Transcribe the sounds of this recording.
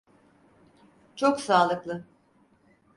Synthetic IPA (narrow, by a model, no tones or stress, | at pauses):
t͡ʃʰoksaːlˠɯklˠɯ